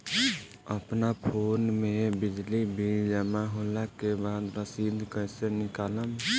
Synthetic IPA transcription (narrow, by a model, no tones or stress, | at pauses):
əpnapʰonmebid͡ʒlibʱid͡ʒəmaɦolakebad̪ɾəsid̪ʱkəjsenikaləm